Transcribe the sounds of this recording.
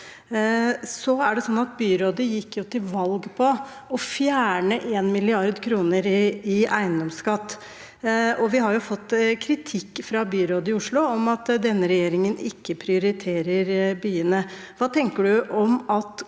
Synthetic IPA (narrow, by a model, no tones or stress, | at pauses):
sɔæɖɛsɔnːɑt̪̚byːɾoːd̪əjɪkːjʊt̪ʰɪlʋɑlɡpʰɔ | ɔfjæːɳəʔeːnmɪlɪɑɾd̪kʰɾuːnəɾɪʔæɪənd̪ɔmskɑt̪ː | ʔɔʋɪɦɑɾjʊfɔt̪ːkʰɾɪt̪ʰɪkːfɾɑbyːɾoːd̪əɪʊʂɭʊɔmɑt̪d̪ɛnːəɾɛjeːɾɪŋənɪkːəpʰɾɪʊɾɪt̪ʰeːɾəɾbyːənə | ʋɑːt̪ʰɛŋkəɖʉʔɔmɑt̪